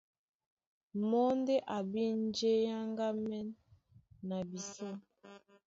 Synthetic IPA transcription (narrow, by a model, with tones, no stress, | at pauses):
mɔ˦nde˦ʔa˨bi˦n˦d͡ʒe˦ja˦ŋɡa˦mɛ˦nː | a˨bi˨sɔ˦